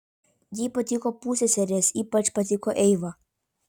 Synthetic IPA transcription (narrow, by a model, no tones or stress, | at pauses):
jiːpɐt̪ʲɪkoːpuːsʲeːsʲɛɾʲeːsiːpɐt͡ʃpɐt̪ʲɪkoːʔɛɪʋɐ